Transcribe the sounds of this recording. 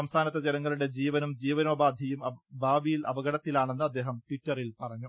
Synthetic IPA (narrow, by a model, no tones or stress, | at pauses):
ɐmst̪ʰaːnɐt̪ːɐd͡ʑelɐŋːɐɭuɽe̞d͡ʑiːʋɐnumd͡ʑiːʋɐnoːbaːd̪ʱjɐjumɐbʱaːʋijilʔɐ̰bɐɣɐɽɐt̪ːilaːɳe̞nːuɐd̪ːe̞ːɦɐmʈiʈːɐrilpɐrɐɲːu